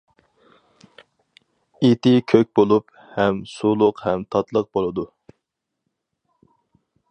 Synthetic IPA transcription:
et̪ʰɪkʲʰøk̚ʲbolˠup | hɛmsulˠʊqhɛmt̪ʰɑt̪lˠəq̚bolˠɨd̪u

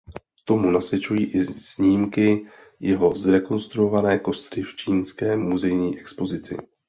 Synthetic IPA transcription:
t̪o̞munasvjɛt͡ʃujiːʔɪsɲiːmkɪ | jɛɦo̞zɾɛko̞nst̪ɾuo̞vanɛːko̞st̪ɾɪft͡ʃiːnskɛːmuzɛjɲiːʔɛkspo̞zɪt͡sɪ̰

